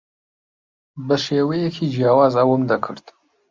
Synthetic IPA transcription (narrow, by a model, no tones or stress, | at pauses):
bəʃeːwejekʰid͡ʒjɑːwɑːzawəmd̪akʰə̰ɾt̪